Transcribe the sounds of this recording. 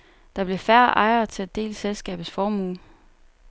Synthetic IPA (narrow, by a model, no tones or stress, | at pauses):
d̥ɑ̈b̥le̝fæɐ̰ʔɑ̈ɪɐt͡sʰe̝æd̥e̝̰ːlselsɡ̥ɛ̰ːb̥ð̩ˠsfɒːmṵːn